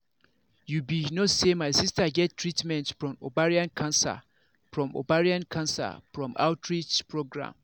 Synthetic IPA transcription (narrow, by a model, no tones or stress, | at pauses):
jubinosemaɪsistaɡɛttʰːɹitmɛ̃ntfɹɔ̃mobaɹiãnkʰãnsa̰ | fɹɔ̃mo̰baɹiãnkʰãnsa̰fɹɔ̃ma̰ʊtʰɹit͡ʃpʰɹoɡɹã̰m